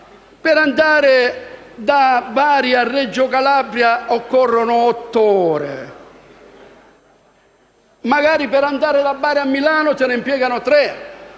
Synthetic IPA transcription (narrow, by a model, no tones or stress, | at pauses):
pɪɾand̪aːɾɪ | d̪avːaːɾiarːɛd͡ʒːʊkalaːbɾjaɔkːɔrːonʊɔt̪ːɔːɾḛ | maɡaːɾipɪɾand̪aːɾɪd̪abːaːɾiamːilaːnʊt̪enɪmpjɛːɡanʊt̪ɾɛ